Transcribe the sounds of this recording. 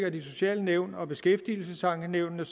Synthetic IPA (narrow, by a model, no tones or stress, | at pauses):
ɡ̥ɐd̥iso̝ɕɛ̰ːləneʊ̰nɒ̽b̥e̝sɡ̥efd̥iːl̩səsɑ̈ŋɡ̥əneʊ̰nnəs